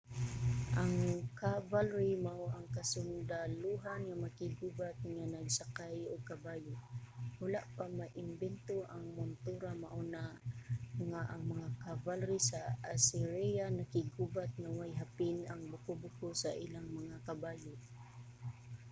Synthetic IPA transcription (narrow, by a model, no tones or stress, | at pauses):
ʔaŋkavalɾimaʔoʔaŋkasʊnd̪aluɦanŋamakɪɡubat̪̚ŋanaɡsakajʊɡ̚kabaːjowʊlaʔpamaʔɪmbɛnt̪oʔaŋmʊnt̪uɾamaʔona | ŋaʔaŋmɐŋakavalɾisaasɛɾɛjanakɪɡubat̪̚ŋawajɦapɪnaŋbʊkʊbʊkosaʔilaŋmaŋakabaːjo